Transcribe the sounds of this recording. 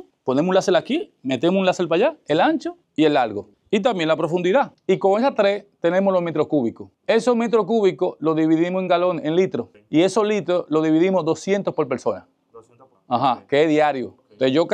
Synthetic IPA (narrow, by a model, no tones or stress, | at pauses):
pone̞munlaselakime̞t̪emosũnlaselpaʝaelaɲt͡ʃo | ielːaɾɣo | it̪̬ambje̞ŋlapɾo̞fund̪iðaikoŋes̬at̪ɾest̪e̞nẽmoslo̞ɦmet̪ɾokuβiko | e̞somet̪ɾok̬uβikolo̞ðiβiðimoseŋɡaloneŋlit̪ɾo | ie̞solit̪ɾoloðiβiðimozðo̞sje̞nt̪ospoɾpeɾsona̰ | aɦakeeðjaɾjo | eʝok